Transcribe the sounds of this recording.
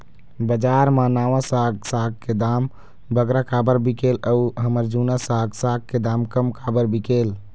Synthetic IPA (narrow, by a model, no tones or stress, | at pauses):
bəd͡ʒaːɾmãnaːʋãsaɡsaːɡ̚ked̪am | bəɡɾakabəɾbikeləuɦəməɾd͡ʒunasaɡsaɡ̚ked̪aːmkəmkabəɾbikel